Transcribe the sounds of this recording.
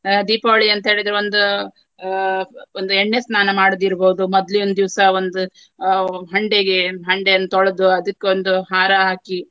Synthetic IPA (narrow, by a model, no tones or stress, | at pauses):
d̪iːpaʋɐɭiɐnt̪ɐɦe̞ːɭid̪ɐɾeo̞nd̪u | ond̪ueɳːesnaːnɐmaːɽd̪iɾboɦud̪umɔd̪liond̪d̪iʋsɐond̪u | ɦɐɳɖeɡeɦɐɳɖejɐnːɐt̪ɔɭɐd̪uɐd̪ɐkːeond̪uɦaːɾɐɦaːki